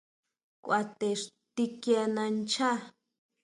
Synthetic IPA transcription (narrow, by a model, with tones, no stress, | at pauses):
kʷʔa˧t̪e˨ʂ | t̪i˧kja˧nã˧nt͡ʃʰa˦